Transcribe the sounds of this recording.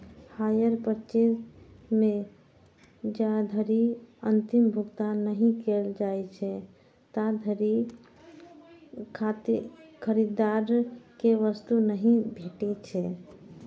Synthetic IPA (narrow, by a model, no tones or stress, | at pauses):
hajəɾpəɾt͡ʃemẽ | d͡ʒad̪ʱəɾiənt̪imbʱuɡt̪anːəɦĩkeld͡ʒajt͡ʃʰɛ | t̪ad̪ʱəɾi | kʰat̪kʰəɾid̪aɾkeʋəst̪unəɦĩbʱeʈɛt͡ʃʰɛ